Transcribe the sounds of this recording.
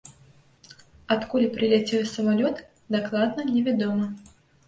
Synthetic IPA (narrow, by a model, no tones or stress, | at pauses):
at̪kulʲipɾɨlʲat͡sʲɛwsɐmalʲɔt̪ | d̪aklˠad̪nɐnʲɛvʲad̪ɔmɐ